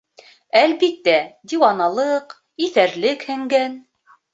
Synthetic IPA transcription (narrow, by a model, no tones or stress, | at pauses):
ælβit̪ːæd̪iwɑnɑlˠɤq | iθæɾlɘkhɘ̆ŋɡæn